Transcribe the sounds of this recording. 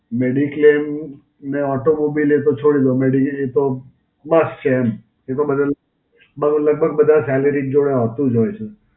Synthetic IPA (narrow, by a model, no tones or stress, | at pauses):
meɖiklem | neɔʈomobilet̪ot͡ʃʰoɽid̪omeɖiet̪o | məst͡ʃʰeɛm | et̪obəd̪ʱa | bələɡ̚bʱəɡ̚bəd̪ʱasɛləɾid͡ʒoɽjaɦət̪ũd͡ʒɦojt͡ʃʰe